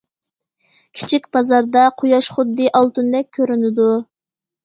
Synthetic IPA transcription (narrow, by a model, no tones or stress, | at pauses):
kʲʰi̥t͡ʃʰikʲbɑzɑɾd̪ɑqʰojɑʃχʊd̪ːɨʔɑlˠt̪und̪ɛk̚ʲʰːøɾynɪd̪u